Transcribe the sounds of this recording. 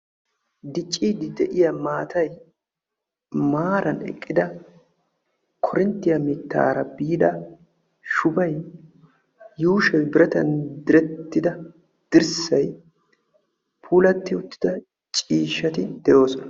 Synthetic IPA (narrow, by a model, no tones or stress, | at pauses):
d̪ɪt͡ʃʼːiːd̪ɪd̪ɛʔɪjɐmaːt̪ʰɐj | maːɾɐnɛ̰kʼːɪd̪ɐ | kʰɔɾɪnt̪ːɪjɐmɪt̪ːa̰ːɾɐbiːd̪ɐ | ʃʊbɐj | juːʃɐwbɪɾɐt̪ɐnd̪ɪɾɛt̪ːɪd̪ɐ | d̪̥ɪɾsɐj | pʰuːlɐt̪ːɪʊt̪ːɪ̥d̪ɐ | t͡ʃʼiːʃːɐt̪ɪd̪̥ɛjo̞ːsɔnɐ